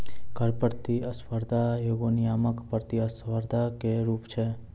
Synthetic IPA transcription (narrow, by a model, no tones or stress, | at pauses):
ɡʱəɾpəɾt̪iəspəɾd̪ʱajoɡoniaməkpəɾt̪iəsʋəɾd̪ʱakeɾupt͡ʃʰe